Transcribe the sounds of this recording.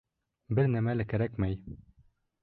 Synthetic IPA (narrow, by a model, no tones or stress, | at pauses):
bɘɾnæmælɘkæɾækmæj